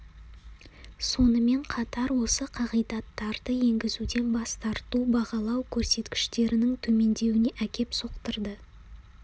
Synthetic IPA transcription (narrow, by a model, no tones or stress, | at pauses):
so̞nəme̞ɴqʰɑt̪ɑɾwo̞səqʰɑʁəjd̪ɑt̪ːɑɾd̪əje̞ŋɡʲɪzud̪e̞nbɑst̪ɑɾt̪ubɑʁɑlˠɑwkʲʰɵɾse̞t̪kʲɪ̥ʃt̪e̞ɾɪnɪŋt̪ʰɵme̞nd̪e̞wɪne̞ʔækʲe̞pso̞qt̪əɾd̪ə